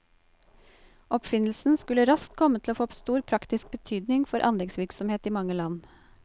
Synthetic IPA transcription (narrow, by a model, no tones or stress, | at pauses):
ʔɔpfɪnl̩sn̩skʉləɾɑskt̪̚kʰɔmət̪ʰɪloːfoːst̪uːɾpʰɾɑkt̪ɪsk̚bət̪ʰyːd̪nɪŋfɔɾʔɑ̰nlɪŋsʋɪɾksɔmheːt̪iːmɑŋəlɑn